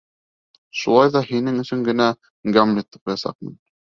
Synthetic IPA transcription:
ʃulˠɑjðɑhinɘŋɵ̆sɵŋɡɘ̆næ | ɡamlʲit̪ːɤ̥p̚qujɑsɑ̰q̚mḭn

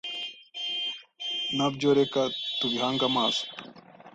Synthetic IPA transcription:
nabɟoɾekat̪uβiɦaːŋɡamaːzo̥

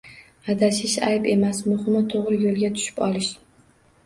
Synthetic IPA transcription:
ad̪aʃɪʃa̰jpe̞masmʊhɪmɪt̪ʰoʁɾɪjolˠɡʲat̪ʰʊ̥ʃɪ̥pɒlˠɪʃ

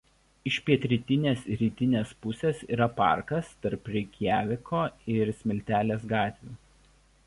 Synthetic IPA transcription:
ɪʃʲpʲiɛt̪ʲɾʲɪt̪ʲɪnʲeːsɾʲiːt̪ʲɪnʲeːspʊsʲeːsḭːɾɐpɑ̰ˑɾkɐst̪ɐɾpɾʲɛɪkʲjæːʋʲɪkoːɪɾsʲmʲɪlʲt̪ʲæːlʲeːsɡɑːt̪ʲʋʲuː

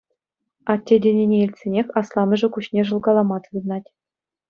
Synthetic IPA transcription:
ɑt̪ʲːedʲenʲenʲeilʲtʲsʲenʲexʲɑslˠɑmɤ̆ʐɘ̆kuɕnʲeʐɤ̆lˠɡɑlˠɑmɑt̪ɯd̪ɤ̆nɑtʲ

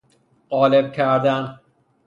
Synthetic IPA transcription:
ɢɒːleb̚cʰæɾd̪æn

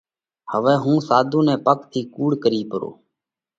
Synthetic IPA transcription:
həʋɛːɦũːsaːd̪ʱũːnɛ̃ːpəkt̪ʰiːkuːɽkəɾiːpəɾo̰ː

